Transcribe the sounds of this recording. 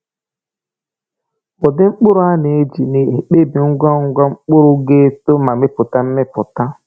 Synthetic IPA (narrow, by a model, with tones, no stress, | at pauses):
bʊ˨dɪ˦ŋ͡m̩˦k͡pʊ˦ɾʊ˦a˦ne˨e˦d͡ʒi˨ne˨e˨k͡pe˦bi˨ŋ̩˦ɡʷa˦ŋ̩˦ɡʷa˦ŋ͡m̩˦k͡pʊ˦ɾʊ˦ɡe˦to˦ma˨mɪ˦pʊ˨ta˦m̩˦mɪ˦pʊ˨ta˦